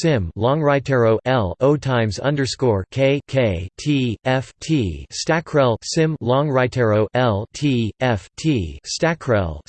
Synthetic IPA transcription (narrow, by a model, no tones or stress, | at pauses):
sɪ̃mlɔ̃ŋɹaɪtʰɛɹoʊʔɛlˠoʊtʰãɪ̃mzʌ̰̃ndə˞skɔɹkʰeɪkʰeɪtʰiɛftʰistækʰɹ̥ɛlˠsɪ̃mlɔ̃ŋɹaɪtʰɛɹoʊʔɛlˠtʰiɛftʰistækʰɹɛ̰lˠ